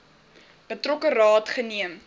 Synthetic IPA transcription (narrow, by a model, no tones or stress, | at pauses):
b̥ətrɔkərɑːtχəniəm